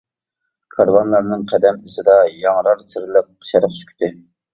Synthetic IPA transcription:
kʰɑɾvɑnlˠɑɾnɨŋqʰɛd̪ɛmisɨd̪ɑjɑŋɾɑɾsʰɪɾlˠəq̚ːʃɛɾɨqskʲy̥t̪ʰɪ

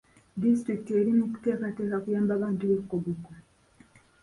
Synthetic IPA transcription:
distɾikte̞ɾimite̞ːkate̞ːkakujaːmbaβaːntuβe̞kːobuko

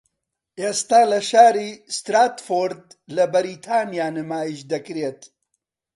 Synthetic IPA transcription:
ʔeːst̪aːlɐʃaːɾist̪ɾaːt̪foɾd̪lɐbɐɾit̪ʰaːnijaːnɨmaːiʃd̪ɐkɾet̪

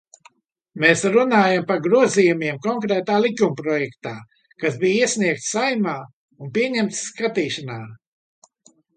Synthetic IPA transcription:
meːsɾunaːjampaɾɡɾuɔziːjumʲiɛmkɔŋkɾɛːt̪aːlˠikumpɾɔjɛkt̪aː | kasbijiɛsʲniɛk̚t̪ssajmaː | unpiɛɲɛmt̪skat̪iːʃanaː

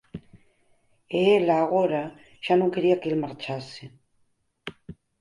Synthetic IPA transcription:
eelaːɣoɾa | ʒ̥anõŋke̞ɾiakelmaɾt͡ʃase

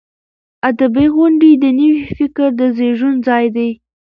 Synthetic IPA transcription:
ad̪abiɣʊɳɖid̪ənəwifɪkɾd̪əzeʒunzɑjd̪aj

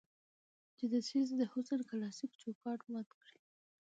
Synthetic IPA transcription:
d͡ʒed̪əsizd̪əhʊsənkalɑsikt͡ʃokɑʈwat̪kɽi

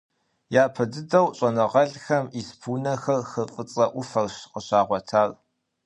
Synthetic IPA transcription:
jaːpʰɐdɨdɐwɕʼɐnɨʁɐɮxɐmispʰuːnɐxɐrxɨqʼət͡sʼɐʔʷʊfɐrɕqəɕaːʁʷɔtʰaːr

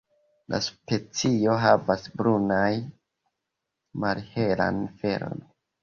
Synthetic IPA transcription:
lʔa̰spe̞t͡sio̞ɦavasbɾunaj | malhe̞la̰nfe̞ɾo̞̰n

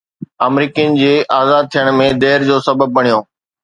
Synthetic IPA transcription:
ɐmɾiːkijənɪ̆d͡ʑeːʔaːzaːd̪̚t̪ʰijəɽ̃mẽd̪eːɾd͡ʑoːsɐbəb̚ːɐɳ̃ijoː

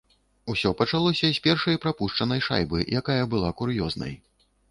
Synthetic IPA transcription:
usʲɔpɐt͡ʂalˠɔsʲɐsʲpʲɛrʂɐjpɾapuʂt͡ʂɐnɐjʂa̰jbɨ̰jʔakajɐbɨlˠakuɾjɔznɐ̰j

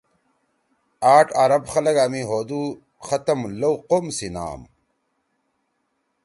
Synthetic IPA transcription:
aːʈaɾɐbxɐlɐɡaːmiɦoːd̪uː | xɐt̪ɐmlɐwqomsina̰ːm

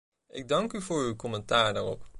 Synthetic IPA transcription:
ʔɪɡ̚dɑŋkyvʊːɹywkɔmɛntaːɹdaːrɔp

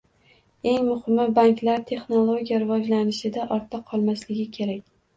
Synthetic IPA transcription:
e̞ŋmʊhɪmːɪbaŋkʲlaɾt̪ʰe̞χnolˠo̞ɡʲijaɾɪvɒd͡ʒlanɪʃɪd̪aʔɒɾt̪ʰːaqʰɒlˠmaslɪɡʲɪkʲʰe̞ɾakʲ

